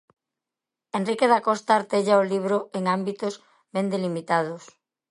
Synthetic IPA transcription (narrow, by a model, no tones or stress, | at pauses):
enrikeðakɔst̪aːɾt̪eʎaoliβ̞ɾoeŋambit̪oz | bend̪elimit̪að̞ʊs